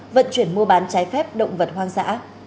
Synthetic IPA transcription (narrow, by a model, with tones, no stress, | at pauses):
və̰˧˨nt͡ɕwi˧˩ənmu˧əɓaː˨˦nt͡ɕaː˨˦jfɛ˦˥p̚ɗə̰˧˨wŋ͡mvə˨˩t̚ɦwaː˧ŋza̰ː˧˥